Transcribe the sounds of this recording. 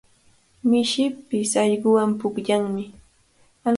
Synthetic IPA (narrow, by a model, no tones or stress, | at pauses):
mɪʃɪpɪsɑʎɢʊwampʊkʎaŋmɪ | a